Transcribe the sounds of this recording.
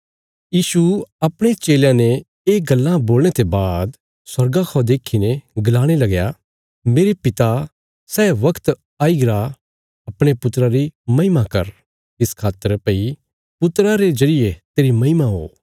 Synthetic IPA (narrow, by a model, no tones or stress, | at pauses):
jiːsuɐpɽ̃et͡ʃeːljãne | eːɡɐlːãboːlñet̪ebaːd̪ | sɐɾɡakʰɔːd̪eːkʰːineɡɐlaːɽ̃elɐɡja | meːɾepɪt̪a | sɛːʋɐkʰt̪ | aːiɡɾa | ɐpɽ̃epʊt̪ɾaɾimɐɦɪmakɐɾ | ɪskʰaːt̪ːəɾpɐi | pʊt̪ɾaɾezɐɾɪjet̪eːɾimɐɪmaɦo̰ː